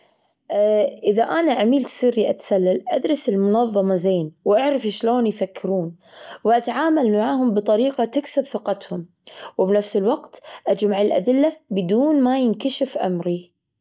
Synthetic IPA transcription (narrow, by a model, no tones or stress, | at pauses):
ʔʔɪðaʔanaʕamiːlt̪siːɾiʔat̪salːalʔad̪ɾˤɪsɪlmʊnɑðˤːɑmazeːnwʔaʕɾˤɪfʃloːnjfakːɪɾuːn | wʔat̪aʕaːmalmaʕaːɦʊmbɨt̪ˤɑɾiːqat̪ɪksɪbθɪqɑt̪hʊm | wɪbnafsɪlwaɡt̪ʔad͡ʒmaʕɪlʔa̰d̪ɪlːabɪd̪uːnmajɪnkaʃɪfʔa̰mɾi